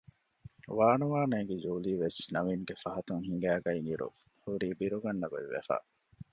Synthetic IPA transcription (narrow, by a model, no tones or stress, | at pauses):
ʋaːnuʋaːnɐɡed͡ʒuːliːʋesnɐmiŋɡefɐɦɐt̪uŋɦiŋɡæːɡɐiŋiɾṵhuɾiːbiɾuɡɐnːɐɡo̰ḭʋḛfæ̰ː